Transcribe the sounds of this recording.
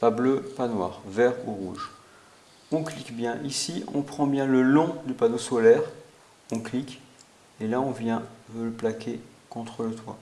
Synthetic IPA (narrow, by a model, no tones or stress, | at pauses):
pabløpanwa̰ːʁvɛʁuʁuʒ | ɔ̃klikbjɛ̃ʔisiɔ̰̃pχɑ̃bjɛ̃ləlɔ̃d̪ypanosolɛʁ | ɔ̃klik | elaɔ̃vjɛ̃vøləplakʲʰe | kɔ̃t̪χələt̪wa̰